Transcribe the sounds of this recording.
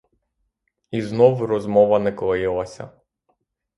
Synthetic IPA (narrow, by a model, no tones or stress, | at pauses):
iznɔwɾɔzmɔʋɐnɛkɔlˠɔjɪlˠɐsʲɐ̰